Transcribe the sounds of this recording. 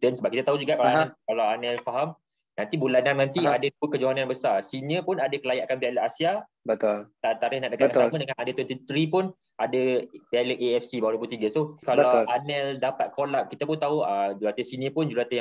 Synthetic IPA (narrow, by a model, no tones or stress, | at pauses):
dɛnsəbapkit̪ət̪aɦud͡ʒuɡaʔkalaɛkalawanɛlfaɦam | nãnt̪ibulanannãnt̪iadaduəkəd͡ʒoɦananbəsarsinə̃pʊnadakəlajaʔkanbialəʔasia | bət̪olt̪at̪aɾɪhnaʔdəkaənaamə̃dəŋanadat̪wɛt̪ət̪ɾipʊn | adəbialəʔeɛfsibaaɾuput̪iɡəsokalbəalanɛldapat̪̚kolap̚kit̪əpʊnt̪aɦuəd͡ʒulat̪əsiniə̃pʊnd͡ʒulat̪əja